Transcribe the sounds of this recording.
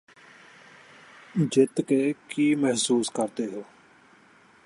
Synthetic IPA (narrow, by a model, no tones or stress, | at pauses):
d͡ʒɪt̪keːkiːmɛɦsuːskəɾt̪eːɦoː